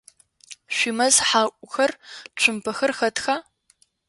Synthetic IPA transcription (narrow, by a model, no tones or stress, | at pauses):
ʃʷimɐzħaːʔʷʼʊxɐrt͡ʃʷʰʊmpʰɐxɐrxɐtʰxaː